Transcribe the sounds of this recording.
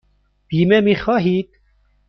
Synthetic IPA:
b̥iːmɛmixɔːɦit̪̚

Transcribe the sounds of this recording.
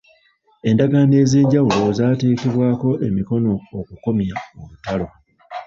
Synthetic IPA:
e̞ndaɡaːne̞ːze̞ːɲɟawulo̞zaːteːkeβwaːko̞ʔe̞miko̞no̞ːkuko̞mjaoβutalo̞

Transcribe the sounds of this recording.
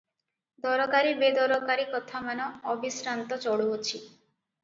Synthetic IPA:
d̪ɔɾɔkaɾibed̪ɔɾɔkaɾikɔt̪ʰamanɔːbisɾant̪ɔt͡ʃɔɽuɦot͡ʃʰi

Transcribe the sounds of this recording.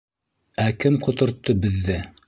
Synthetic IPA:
ækɘmqŏt̪ŏɾt̪ːɤbɘ̆ðːɘ

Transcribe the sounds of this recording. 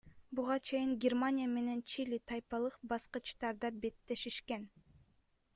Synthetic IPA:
buʁɑt͡ʃʰe̞jiŋɡʲermanʲijame̞ne̞nt͡ʃilʲit̪ʰɑjpɑlˠɯqbɑsqɯt͡ʃt̪ɑɾd̪ɑbe̞t̪ːe̞ʃiʃken

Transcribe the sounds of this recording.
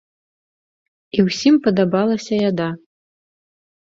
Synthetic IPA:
iwsʲimpɐd̪abalˠɐsʲɐjad̪a

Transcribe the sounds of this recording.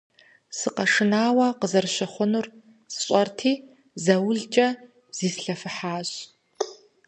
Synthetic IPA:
sɨqɐʂɨnaːwɐqəzɐrɕɪχʷʊnur | sɕʼɐrtʰiː | zɐwʊɮt͡ʃʼɐ | bz̥iːsɬɐfɨħaːɕ

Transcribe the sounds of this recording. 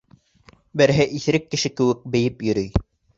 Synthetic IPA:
bæɾɦɛʔiθɾɘkːɘ̆ʃɘkɘ̆wɘk̚bĕjɘpjɵ̆ɾɵj

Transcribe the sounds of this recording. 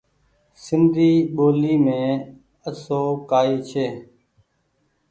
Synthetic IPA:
sɪnd̪ʱiːɓoːliːmẽː | əsoːkaːiːt͡ʃʰeː

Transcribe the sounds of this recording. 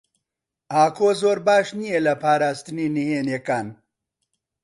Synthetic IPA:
ʔaːkʰoːzoːɾbaːʃnijelɐpʰaːɾaːst̪ɨniːniheːnekaːn

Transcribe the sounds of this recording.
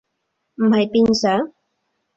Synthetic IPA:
majpɪnsa

